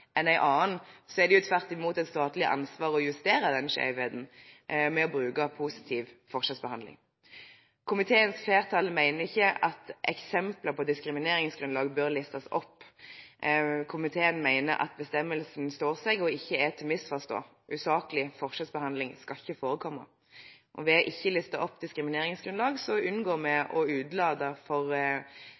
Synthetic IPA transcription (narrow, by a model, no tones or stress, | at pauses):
ʔɛnæɪʔɑːənsɔɛʁd̪ɛɪʊt̪ʰʋæʁt̪ɪmuːt̪ɛt̪st̪ɑːt̪lɪʔɑ̰nsʋɑːʁɔjʉst̪eːɾəd̪ɛnʂḛɪʋeːd̪n̩mɛɔbʁʉːkɑpʰuːsɪ̥t̪ʰiːʋfɔʁʂɛsbəhɑnd̪lɪ̰ŋ | kʰʊmɪt̪ʰeːənsfeːʁt̪ʰɑːləmæɪnəʁɪçːəɑt̪ʔɛksɛmpləʁpʰɔd̪ɪskɾɪmɪneːɾɪŋsɡɾʉnlɑːɡbøɾlɪst̪ɑsɔ̰pː | kʰʊmɪt̪ʰeːənmæɪnə̰ɾʔɑ̰t̪̚bəst̪ɛmːəlsn̩st̪oːʁsɛɡɔɪçːəɛt̪ʰɪlmɪsfɔʁst̪o̰ː | ʔʉːsɑːkəlɪfɔʁʂɛsbəhɑnd̪lɪŋskɑɪçːəfoːɾəkʰɔmːə̰ | ʔɔʋɛɔʔɪçːəlɪst̪əʔɔpːd̪ɪskɾɪmɪneːɾɪŋsɡɾʉnlɑːɡsɔʉnɡoːʁmɛɔʉːd̪lɑːd̪əfɔʁ